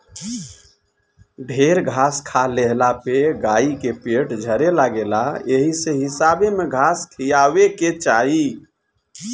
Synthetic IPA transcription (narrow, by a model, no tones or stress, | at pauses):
ɖʱeɾɡʱaskʰaleɦlapeɡaikepeʈd͡ʒʱəɾelaɡelaeɦiseɦɪsabemeɡʱaskʰijaʋeket͡ʃaɦi